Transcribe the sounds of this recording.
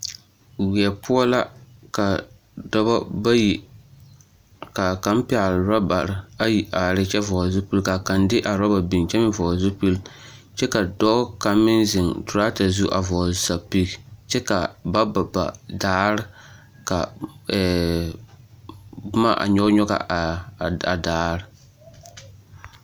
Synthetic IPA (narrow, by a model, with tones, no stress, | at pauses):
wi˨ɛ˨pʊ˦ɔ˦la˦ka˨ | dɔ˦ba˦ba˦ji˨ | ka˨ka˦m˦pɪ˨a˨lɾa˦ba˨ɾɪ˨a˦ji˨ʔa˨ɾɪ˦t͡ʃɛ˦vɔ˨zʊ˦pu˦lka˨ka˨ndɪ˦ʔa˨ɾa˦ba˨bi˨ŋt͡ʃɛ˦mɪ˦vɔ˨zʊ˦pu˦l | t͡ʃɛ˦ka˨dɔ˦ka˨mɪ˦nzɪ˨ŋtʊ˨ɾa˦ta˨zu˦ʔa̰˨vɔː˨za˨pi˦kt͡ʃɛ˦ka˨ba˦ba˨ba̰˨daː˦ɾɪ˦ | ka̰˨ | bʊ˦ma˦ʔa̰˨ɲɔ˦ɲɔ˦ɡa̰˨a˨daː˨˦ɾɪ˦